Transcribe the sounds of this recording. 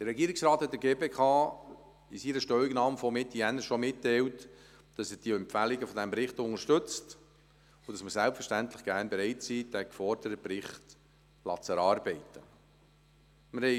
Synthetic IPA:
d̥əɾɛɡiːɾɪksɾɑːt̪hɛt̚d̥əɾɡeːbeːkʰɑː | isiɾəʃtœɥɪɡnɑːmfɔmetʰiɛnːəʃɔmɪtːɛɪlt | d̥ɑsəd̥iəɛmpfælɪɡəfɔdɛmbɾɪχtʊŋəʃtɵt͡st | ʊdɑsməsælpfəɾʃtæntlɪχɡ̥æɾnbeɾɛɪtsiːd̥ækfɔɾdəɾəpɾɪχt | lɑ̰t͡səɾɑːɾbɛɪtə | məɾhɛɪ

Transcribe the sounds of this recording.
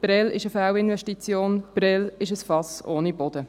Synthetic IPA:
b̥ɾɛlɪ̰ʃəfæwɪnvɛʃtit͡sjoːnb̥ɾɛlɪʃəsfɑsoːnibɔd̪ə

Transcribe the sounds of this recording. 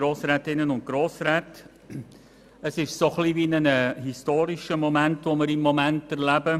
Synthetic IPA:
ɾoːsɾɛːtɪnːənʊnt̚ɡ̥ɾoːsɾɛːt | əsɪʃsoχlivinənəhistoːɾiʃəmomæntʋomɪɾɪmːomæntæɾlæbə

